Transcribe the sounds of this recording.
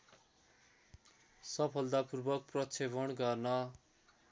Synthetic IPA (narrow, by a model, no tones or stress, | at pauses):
sʌpʰʌld̪apurbʌk̚prʌt͡sʰebʌɳɡʌrnʌ